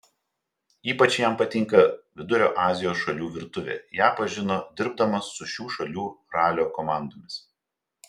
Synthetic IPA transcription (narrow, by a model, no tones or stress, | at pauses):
iːpɐt͡ʃjɛˑmpɐt̪ʲɪŋˑkɐʋʲɪd̪ʊɾʲo̰ːʔɑːzʲɪjoːsʃɐlʲuːʋʲɪɾt̪ʊʋʲḛːjæːpɐʒʲɪnoːd̪ʲɪɾb̚d̪ɐmɐsːʊʃʲuːʃɐlʲuːɾɑːlʲoːkɔmɑˑnd̪oːmʲɪs